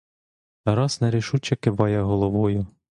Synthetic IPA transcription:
ɾɑsnɛɾɪʃut͡ʃɐkeʋɑjɐɦɔlˠɔʋɔjʊ

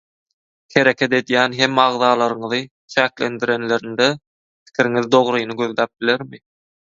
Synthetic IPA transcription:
he̞ɾe̞kʰe̞t̪e̞d̪jæːnɦe̞mɑʁðɑːlˠɑɾɯɴɯðɯ | t͡ʃʰæːklend̪iɾe̞nle̞ɾind̪e | pʰi̥kʲʰiɾiŋiðd̪o̞ʁɾɯjnɯɡø̞ðlæːp̚bile̞ɾmi

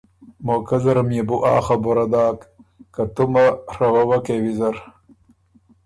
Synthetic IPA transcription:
moːkɐzɐɾɐmjebuʔɑ̰ːxɐboɾɐd̪aːkːɐt̪umɐɾɐwɐwɐkewizɐɾ

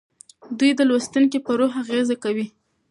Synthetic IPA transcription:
d̪ujd̪əlwast̪unkipəɾoɦaɣezakawi

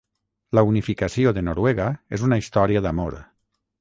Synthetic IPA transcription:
launifikasioðenoɾwɛɣaezunaist̪ɔɾiaðamo̰ɾ

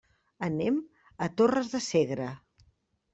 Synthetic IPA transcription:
ənɛm | ət̪orəzðəseɣɾə

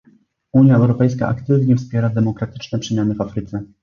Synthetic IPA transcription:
uɲjaɛwɾɔpɛjska̰ʔa̰kt̪ɘvɲɛfspʲjɛɾad̪ɛmɔkɾat̪ɘ̥t͡ʂnɛpʂɛmʲjanɘvafɾɘt̪sɛ

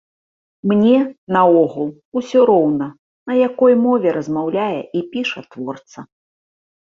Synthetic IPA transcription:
mnʲɛnɐɔɣulˠ | usʲɔɾɔwnɐ | nɐjakɔjmɔvʲɛɾɐzmawlʲajɛ̰ʔipʲiʂɐt̪vɔrt̪sɐ

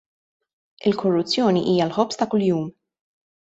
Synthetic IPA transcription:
ɪlkʰɔrːʊt͡sːjɔːniʔiːjɐlħɔpst̪ɐkʊljuːm

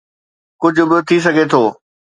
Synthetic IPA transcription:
kʊd͡ʑʱʊbɪt̪ʰis̬ɐɡʱet̪ʰoː

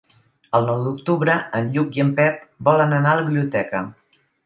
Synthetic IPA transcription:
əlˠnɔwd̪uk̚t̪uβɾəənʎukiəmpɛp̚bɔlənənaələβiβliut̪ɛkə

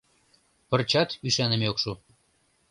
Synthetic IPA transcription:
pə̆rt͡ɕɑt̪yʃænəmeokʃo

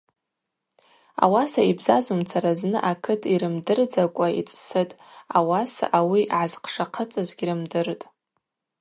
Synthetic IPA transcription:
a̰wasaibzazumt͡sʰaɾaznɨ̰ʔakʰɨtʰiɾɨmdɨrd͡zakʷʼaḭt͡sʼsɨtʼawasa̰ʔawiʕazqʰʂaqʰət͡sʼɨzɡʲiɾɨmdɨrtʼ

